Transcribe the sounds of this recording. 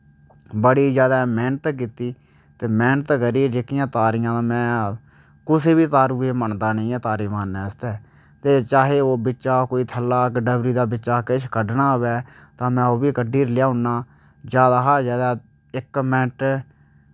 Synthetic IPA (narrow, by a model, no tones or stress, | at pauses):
bəɽiːzjaːd̪aːmɛːnət̪k̬iːt̪iː | t̪eːmɛːnət̪kəɾiːd͡ʒeːkɪjãːt̪aːɾijãːmɛ̃ː | kʊseːbiːt̪aːɾuːeːməɳd̪aːnĩːɛːt̪aːɾiːmaːnːɛ̃ːəst̪ɛː | t̪eːt͡ʃaːɦeːoːbɪt͡ʃʃaːkoːiːt̪ʰəlːaːkɖəbɾiːd̪aːbɪt͡ʃaːkɪʃʰkəɖnaːɦʊʋɛːt̪ãːmɛ̃ːoːbiːkəɖiːɾlɪjaːɦʊnːaː | d͡ʒjaːd̪aːɦəɾzjaːd̪aː | ɪkmɛːʈ